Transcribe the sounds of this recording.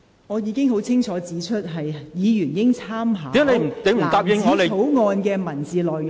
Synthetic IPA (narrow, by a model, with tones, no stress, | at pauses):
ŋɔː˨˧jiː˨˧kɪ˥ŋɦo˨˥wt͡sʰɪ˥ŋt͡ʃʰɔː˨˥t͡siː˨˥t͡ʃʰɵ˥t̚ɦɐ˨jjiː˨˧jyː˨˩njɪ˥ŋt͡sʰaː˥mɦaː˨˥i˨˥˨le˧˨˩t̪e˨˥m̩ː˨˩˨t̪aː˧p̚jɪ˧˨ŋɔ˨˥le˨˧o˨˥wŋɔː˧nkɛː˧mɐ˨˩nt͡siː˨lɔː˨˩j